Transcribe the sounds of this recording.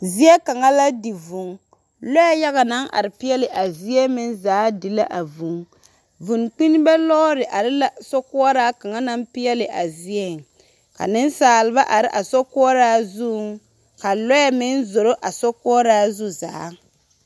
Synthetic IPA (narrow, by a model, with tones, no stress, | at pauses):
zi˦ɛ˦ka˨ŋa˦la˦di˨vʊ˨ŋ | lɔ˦ja˦ja˦ɣa˨na˦ŋʔa̰˨ɾɪ˨pi˦jɛ˦lɪ˨ʔa˨zi˦ɛ˦mɪ˦nzaː˨˦di˨la˦ʔa˨vu˨ŋ | vu˨nk͡pi˦n˦bɛ˦lɔ˦ɾɪ˨ʔa˨ɾɪ˦la˦sɔ˦kʊ˦ɔ˦ɾaː˦ka˨ŋa˦na˦mpi˦ɛ˦lɪ˨ʔa˨zi˦ɛ˦˨ŋ | ka̰˨nɪ˦n˦saː˨lɪ˨˦ba˦ʔa˨ɾɪ˦ʔa˨sɔ˦kʊ˦ɔ˦ɾaː˦zu˦˨ | ka˨lɔ˦ɛ˨mɪ˦nzo˨ɾo˦ʔa˨sɔ˦kʊ˦ɔ˦ɾaː˦zu˦za̰ː˨˦